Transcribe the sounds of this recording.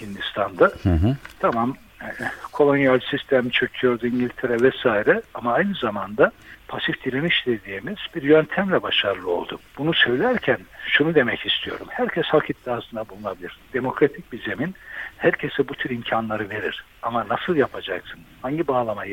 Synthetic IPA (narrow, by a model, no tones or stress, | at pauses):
hind̪ist̪ʰand̪at̪ʰamam | kʰo̞lˠo̞nijalʲsist̪ʰæmt͡ʃʰøcʰyjo̞ɾd̪uiɲɟilʲt̪ʰe̞ɾɛvɛsaːiɾɛamaajnɯzamand̪apʰasifd̪iɾʲeniʃd̪e̞d̪iːmiz̥biɾjønt̪ʰæmlʲɛbaʃaɾlˠɯo̞̰lˠd̪ubunusø̞vlʲæɾcʰænʃunud̪e̞mɛcist̪ʰijo̞̰ɾumhæɾcʰɛshakʰit̪ːiasɯnd̪abulˠunabilʲiɾ̥d̪̥e̞mo̞kɾat̪ʰic̚bize̞minhæɾcʰe̞sɛbut̪ʰyɾimcʰanlˠaɾɯve̞ɾḭɾ̥ | amanasɯlˠjapʰad͡ʒaksɯnhaɲɟibaːlˠamaj